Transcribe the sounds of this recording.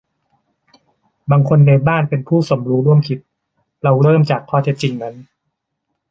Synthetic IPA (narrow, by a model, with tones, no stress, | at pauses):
baː˧ŋkʰo˧nːa˧jbaː˥˩npe˧npʰuː˥˩so˩˦mɾuː˦˥ɾu˥˩əmkʰi˦˥t̪̚ | ɾa˧wɾɤː˥˩mt͡ɕaː˨˩kʰːɔː˥˩e˦˥t̪̚t͡ɕi˧ŋna˦˥n